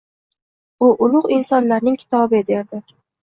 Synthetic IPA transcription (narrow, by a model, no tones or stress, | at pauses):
ʊʔʊlˠʊqɪnsɒnlaɾnɪŋkʲʰɪ̥t̪ʰɒbɪd̪eɾd̪ɪ